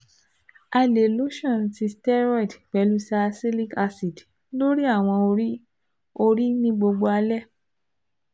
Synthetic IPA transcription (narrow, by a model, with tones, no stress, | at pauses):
a˧le˨lo˦ʃɔ̃˦˨n˨ti˧stɛ˦ɾɔ˦i˨dk͡pɛ˨˦lu˦sa˧si˦li˦ka˧si˨d | lo˦ɾi˦a˦˨w̃ɔ̃˧o˧ɾi˦ | o˧ɾi˦nĩ˦ɡ͡bo˧ɡ͡bo˧a˧lɛ˦˨